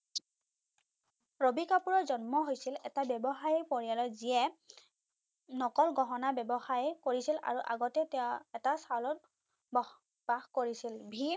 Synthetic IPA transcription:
ɹobikapuɹɔɹzɔnmɔɦojsilɛ̰tabɛbɔxaɹipoɹijalɔziɛ | nɔkɔlɡɔɦɔnabɛbɔxaɹɛkoɹisila̰ɹuʔa̰ɡɔtɛtɛɛtasalɔt | bɔ | b̥axkoɹisilbʱi

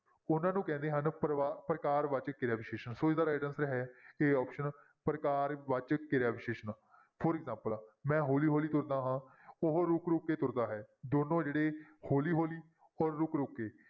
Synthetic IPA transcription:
ʊnãːnũːkɛ̃ːnd̪eːɦənpɾaːpɾəkaːɾʋət͡ʃkɪɾaːʋɪʃeːʃənsoːt͡ʃd̪aːɾaːɖənsɾɛɦɛːeːɔːpʃən | pɾəkaːɾʋət͡ʃkɪɾaːʋɪʃeːʃən | pʰoɾɪɡzãːmpəlmɛ̃ːɦoːliːɦoːliːt̪ʊɾd̪aːɦãːʊɦɾʊkɾʊkːeːt̪ʊɾd̪aːɦɛːd̪oːnõːd͡ʒeːɽeːhoːliːɦoːliː | ɔːɾːʊkɾʊkːeː

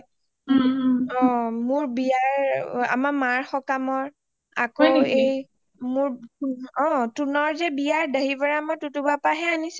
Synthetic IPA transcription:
ɔ̃mʊɹbiaɹa̰mamaɹxɔkamɔɹ | akɔej | mʊɹɔ̃tunɔɹzɛbijaɹdaɦibaɹaamaɹtutubapaɦɛanis

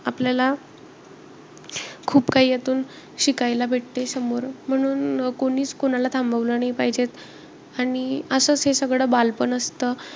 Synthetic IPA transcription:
apljala | kʰuːpkaɦiːjet̪uːn | ɕikajlabʱeʈ̚t̪esəmoɾm̤əɽ̃uːnkoɽ̃iːt͡skoñalat̪ʰambaʋlənaipaɦid͡ʑet̪ | aɽ̃iəsəːt͡sɦesəɡɭəːbalpəɳəst̪ə

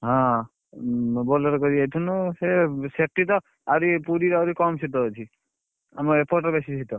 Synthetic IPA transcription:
ɦã | bɔlɔɾɔkɔɾiajtʰunusesek̚ʈit̪ɔ | aɾipuɾiɾawɾikɔmsit̪ɔɦɔt͡ʃʰi | amɔepʰɔɾʈɔbesisʰit̪ɔ

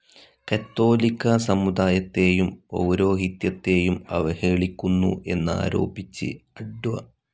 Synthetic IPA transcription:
kɐt̪ːo̞ːlikʲːɐsɐmːud̪aːjɐt̪ːe̞ːjumo̰wɾo̞ːɦit̪jɐt̪ːe̞ːjumɐ̰ʋɐheːɭikʲːunːṵʔe̞nːa̰ːɾo̞̰ːbit͡ɕːɨ̰ɐɖuʋɐ̰

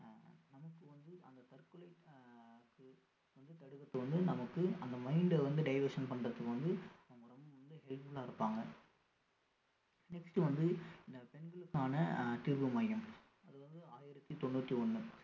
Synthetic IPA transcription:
nɐmɐkːɯʋɐnd̪ɯʔɐnd̪ɐt̪ɐɾkːɯɭɐɪ | kːɯ | ʋɐnd̪ɯt̪ɐɽɯɣɐt̪ːɯʋɐnd̪ɯnɐmɐkːɯɐnd̪ɐmɐɪnɖʋɐnd̪ɯɖɐɪʋɐɾʂɐnpɐɳrɐt̪ːɯkːɯʋɐnd̪ɯɐɐmɐɾɐmɯmʋɐnd̪ɯɦɛɭpɯlaːɪɾɯpːaːŋɡɐ | nɛksʈɯʋɐnd̪ɯɪnd̪ɐpɛnɡɐɭɯkːaːnɐʈɪɾbɯmɐjɐm | ɐðɯʋɐnd̪ɯaːjɪɾɐt̪ːit̪ɔɳːuːt̪ːiɔɳːɯ

